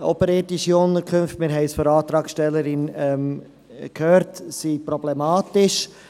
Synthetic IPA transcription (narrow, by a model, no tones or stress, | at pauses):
ɔ̰pəɾɛːtɪʃiʊntəɾkʰømftmɪɾɦɛɪsfɔɾɑːt̪ɾɑːksʃtɛlːəɾɪnɛm | kʰhøːɾtsipɾɔblɛmɑːtɪʃ